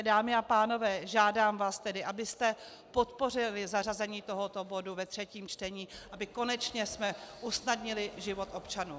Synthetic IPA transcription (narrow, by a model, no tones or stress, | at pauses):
daːmɪapaːno̞vɛːʒaːdaːmvaːst̪ɛdɪʔabɪst̪ɛ | po̞t̪po̞r̝ɪlɪzarazɛɲiːt̪o̞ɦo̞t̪o̞bo̞duvɛt̪r̝̥ɛciːmt͡ʃt̪ɛɲiːʔabɪko̞nɛt͡ʃɲɛsmɛʔusnadɲɪlɪʒɪvo̞t̪ʔo̞pt͡ʃanuː